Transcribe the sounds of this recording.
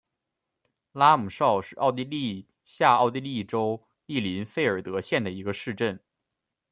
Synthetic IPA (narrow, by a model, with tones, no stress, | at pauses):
la˥mu˨˩ʂɑ˥˧ʊʂɻ̩˥˧ʔɑ˥˧ʊt̪i˥˧li˥˧ | ɕja˥˧ɑ˥˧ʊt̪̬i˥˧li˥˩ʈ͡ʂo˥ʊ | i˥˩li˧˥nfe˥ɪə˞˨˩t̪ɤ˧˥ɕjɛ˥˩nd̪ə˩i˧˥ɡə˧ʂɻ̩˥˧ʈ͡ʂə˥˩n